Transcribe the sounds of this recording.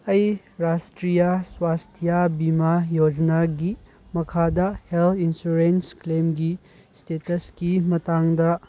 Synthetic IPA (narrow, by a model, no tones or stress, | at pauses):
ɐj | ɾastɾijɐswastʰijabimajod͡ʒɐnaɡi | mɐkʰadɐhelt̪ʰinsuɾensklemɡi | stetɐskimɐtaŋdɐ